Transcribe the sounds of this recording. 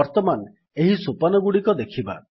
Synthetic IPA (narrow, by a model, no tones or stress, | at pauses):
ɔɾt̪ɔman | eɦisupanɔɡuɽikɔd̪ekʰiba̰